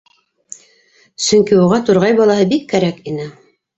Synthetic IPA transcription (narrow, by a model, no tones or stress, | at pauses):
sɵŋkiuʁɑt̪uɾʁɑjbɑlˠɑɦɤbikːæɾækinɘ